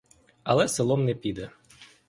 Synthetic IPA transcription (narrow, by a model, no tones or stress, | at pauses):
alˠɛsɨlˠɔmnɛpʲid̪ɛ